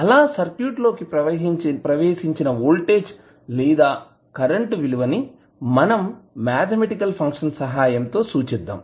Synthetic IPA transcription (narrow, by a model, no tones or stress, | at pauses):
ɐlaːsɐɾkjuːʈlo̞ːkipɾɐʋɐɦipɾɐʋeːʂiɲt͡ʃinɐʋuːlʈeːt͡ʃ | liːd̪aː | kɐɾɐɳʈʋiluʋɐni | mɐnɐmːaːt̪ʰɐmeʈikɐlpʰɐŋkʂɐnsɐɦaːjɐmt̪o̞ːsuːt͡ʃɛd̪ːa̰ːm